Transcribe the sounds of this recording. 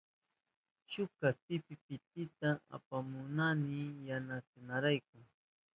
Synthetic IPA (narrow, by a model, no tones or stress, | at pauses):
t͡ʃʊkaspɪpɪpɪt̪̚ɪt̪aa̰pamʊnanɪjanasɪnaɾajk̚aŋ